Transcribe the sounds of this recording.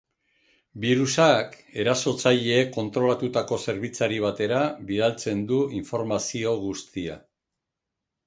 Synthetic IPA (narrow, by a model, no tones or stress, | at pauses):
biɾusak | e̞ɾaso̞t͡saʎe̞ːko̞nt̪ɾo̞lat̪ut̪ako̞se̞ɾβ̞it͡saɾiβ̞at̪e̞ɾaβiðalt͡se̞nd̪uiɱfo̞ɾmasio̞ɣust̪ia